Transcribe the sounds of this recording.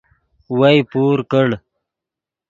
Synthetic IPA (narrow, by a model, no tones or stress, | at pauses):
wajpuːɾkəɽ